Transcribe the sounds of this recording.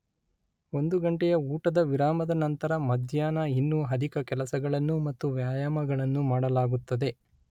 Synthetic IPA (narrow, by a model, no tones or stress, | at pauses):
o̞nd̪uɡɐɳʈɛjɐuːʈɐd̪ɐʋiɾaːmɐd̪ɐnɐnt̪ɐɾɐmɐd̪ʱjaːnɐinːuɦɐd̪ʱikɐkɛlɐsɐɡɐɭɐnːumɐt̪ːuʋjaːjaːmɐɡɐɭɐnːumaːɽɐlaːɡut̪ːɐd̪e̞